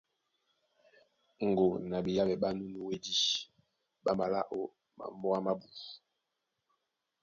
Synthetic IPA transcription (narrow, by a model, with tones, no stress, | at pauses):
ŋ̩˨ɡo˨na˨bi˨ja˦bɛ˨ɓa˦nu˦nu˦we˦di˦ | ɓa˦ma˨la˦ʔo˦ | ma̰˨m˦bɔ˦a˦ma˦bu˨